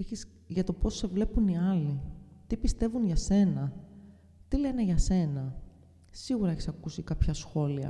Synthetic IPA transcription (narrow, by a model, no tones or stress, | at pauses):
eçis | ʝɐt̪o̞po̞se̞vle̞puniɐlit̪ipist̪e̞vunʝɐse̞nɐ | t̪ile̞ne̞ʝɐse̞nɐ | siɣuɾɐeçisɐkusikɐpçɐsxo̞liɐ̰